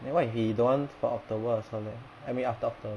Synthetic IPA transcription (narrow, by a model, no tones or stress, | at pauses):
lakwajfhidɔ̃nfɔɔk̚tobəsɔlɛ | ɛ̃miaftəɔk̚tob